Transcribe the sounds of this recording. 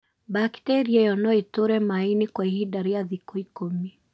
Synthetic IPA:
baktɛɾiajɔnɔetoɾɛmainikwaiɦidaɾejaðikoikomi

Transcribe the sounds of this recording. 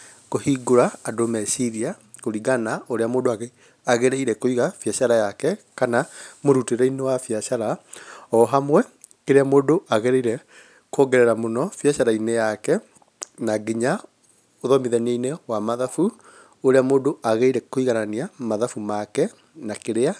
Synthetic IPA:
kohiɡoɾaːdomɛsiɾia | koɾiɣanaoɾeamoːdoaɣe | aɣeɾeiɾɛkoiɣafjaɕaɾajakɛkanamoɾuteɾɛinewafjaʃaɾaɔɦamwɛ | keɾeamoːdoʔaɣɛɾɛiɾɛ | kɔŋɡɛɾɛɾamonɔfjaɕaɾainejakɛ | naɡiɲa | oðɔmiðɛneinewamaðafu | oɾeamoːdoʔaɣeiɾɛkoiɣananiamaðafumakɛ | nakeɾea

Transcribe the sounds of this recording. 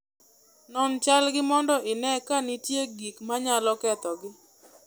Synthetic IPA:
nɔnt͡ʃalɡɪmɔndɔʔɪnɛkanɪtjeɡikmaɲalɔkɛt̪ɔɡɪ

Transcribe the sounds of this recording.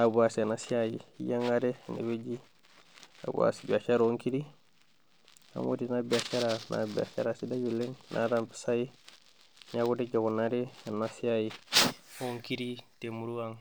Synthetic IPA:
abuasenasiajijaŋaɾenḛbeɟi | a̰bṵa̰sibiat͡ʃaɾoŋkiɾi | a̰mo̰tinabiat͡ʃaɾanʔa̰bḭa̰ʃa̰ɾasidaɟuleŋnʔa̰ɾampi̥saji | ɲaɡudeɟaɡunːaɾenasiaji | oŋkiɾitemuɾuwaŋ

